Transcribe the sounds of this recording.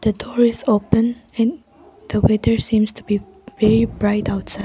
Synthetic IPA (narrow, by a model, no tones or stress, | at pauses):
ð̥ədɔɹɪzopə̃nɛ̃n | ð̥əwɛdə˞sĩmstʰubi | vɛɹibɹaɪtaʊtsa